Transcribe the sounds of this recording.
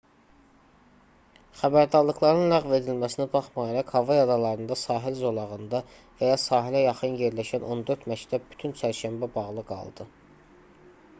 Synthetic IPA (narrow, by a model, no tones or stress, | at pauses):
χæbæɾd̪ɑɾlˠɯɡlˠɑɾɯnlæɣve̞d̪ilmæsinibɑχmɑjeɾɑkhɑvɑjɑd̪ɑlˠɑɾɯnd̪ɑsɑːɦilzo̞lˠɑʁɯnd̪ɑ | væjɑsɑːɦilæjɑχɯnje̞ɾlæʃænʔo̞nd̪ø̞ɾt̪mæct̪ʰæb̚by̥t̪ʰynt͡ʃʰæɾʃæmbæbɑʁlˠɯɡɑ̰lˠd̪ɯ